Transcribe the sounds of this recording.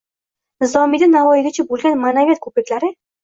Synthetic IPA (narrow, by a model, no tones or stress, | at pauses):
nɪzɒmid̪anavɒjɪd̪ʲɪt͡ʃʰɪbolˠɡʲanmanavjat̪̚kʰopɪkʲlaɾɪ